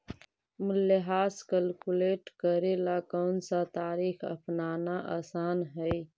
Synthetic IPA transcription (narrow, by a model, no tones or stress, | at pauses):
mʊlːeɦaːskəlkuleːʈkəɾelakɔːnsat̪aːɾiːxɐ̰pnaːnaʔaːsaːnɦɛi